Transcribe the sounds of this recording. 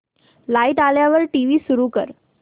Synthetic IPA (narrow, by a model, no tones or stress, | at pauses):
laiʈaljaʋəɾʈiʋiːsuɾuːkə̰ɾ